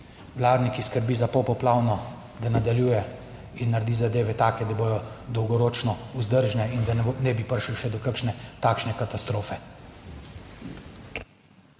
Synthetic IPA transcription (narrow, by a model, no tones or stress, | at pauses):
wlaːd̪nikiskəɾbiːzapɔwpɔplaːwnɔ | d̪anad̪aljuːjɛ | inːaɾd̪iːzad̪eːʋɛt̪aːkɛd̪aboj̪ɔd̪ɔwɡɔɾoːt͡ʃnɔuzd̪əɾʒnɛind̪anɛbipəɾʃiwʃɛd̪ɔkəkʃnɛt̪aːkʃnɛkat̪ast̪ɾoːfɛ